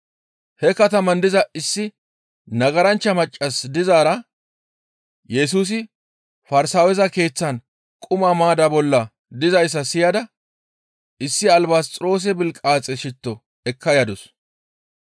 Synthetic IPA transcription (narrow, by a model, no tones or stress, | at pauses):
hɛkɐt̪ɐmɐnd̪ɪzɐʔɪsːɪ | nɐɡɐɾɐnt͡ʃːɐmɐt͡ʃʼːɐsd̪ɪzaːɾɐ | jɛs̬uːs̬ɪ | fɐɾɪsaːwɛzɐke̞ːt͡sːɐn | kʼʊmamaːd̪ɐbɔlːɐ | d̪ɪzɐjs̬ːɐsɪjɐd̪ɐ | ɪsːɪɐlbast͡sʼɾo̞ːs̬ɛbɪlkʼaːt͡sʼɛʃɪt̪ːɔ | ɛkːɐjɐd̪ʊs